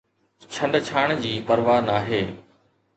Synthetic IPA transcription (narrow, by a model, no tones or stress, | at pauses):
t͡ɕʰə̃ɳɖt͡ɕʰaːɽ̃d͡ʑiːpəɾʋaːnaːɦeː